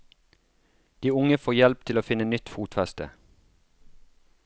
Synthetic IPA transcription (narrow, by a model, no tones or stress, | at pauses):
d̪̥iːʊŋəfoːjɛlp̚t̪ʰɪloːfɪnənʏt̪fuːt̪fɛst̪ə̰